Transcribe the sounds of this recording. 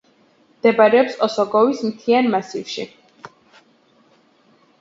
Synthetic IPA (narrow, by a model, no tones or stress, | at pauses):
md̪̥ɛbaɾɛɔpsɔsɔɡɔvismt̪ʰianmasifʃḭ